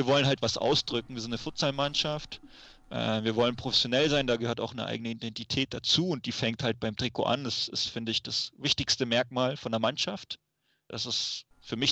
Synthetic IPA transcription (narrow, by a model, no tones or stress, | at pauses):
viːɐvɔlənɦaltv̥asʔa̰ʊsd̥ʁʏk̚ŋ̩viːɐzɪntnəfʊɐt͡salmanʃaft | ʔɛ̰ːviːɐvɔlənpʁ̥ofɛsjonɛlzaɪndaːɡəhøːɐta̰ʊxnə̰ʔa̰ɪɡənəidɛntitʰɛːt̚d̥at͡suːʊnt̚d̥iːfɛŋkthalt̚b̥aɪmtʁ̥ɪko̰ʔa̰ndasɪstfɪndəɪçd̥asvɪçtɪçstəmɛɐk̚maːlfɔndɐmanʃaft | d̥asɪs | fyːɐmɪç